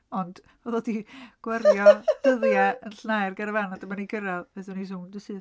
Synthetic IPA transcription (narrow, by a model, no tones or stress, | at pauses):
ɔnd̥ | oðɔdiɡ̥warjɔd̥əðjaənɬnajrɡaɾəvanadəmaniɡəɾaðˠvɛðɨnisʊmdɨsɨːð